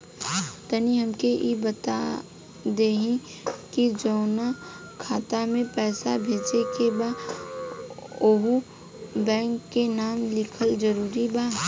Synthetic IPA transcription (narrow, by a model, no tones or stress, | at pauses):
t̪əniɦɐmkeʔibət̪a̰ | d̪eːɦĩ | kid͡ʒɔːna | kʰaːt̪amẽpɛːsabʱeːd͡ʒekebaː | oːɦu | bɛ̃ːŋkːenaːmlɪkʰəld͡ʒəɾuːɾibaː